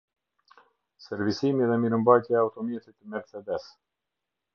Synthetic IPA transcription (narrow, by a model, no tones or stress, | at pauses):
sɛɾvisimiðɛmiɾəmbajt̪jɛaut̪ɔmjɛt̪it̪əmɛɾsɛd̪ɛs